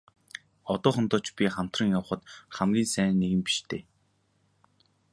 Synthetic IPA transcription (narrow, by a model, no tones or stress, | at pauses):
ɔt̪ɔːχə̆nt̪ɔːt͡ɕpʲiχam̥t̪rə̆ŋjaw̆χə̆t̪χamɡʲiːnsæːnːeɣɘ̆mpi̥ʃt̪ʰeː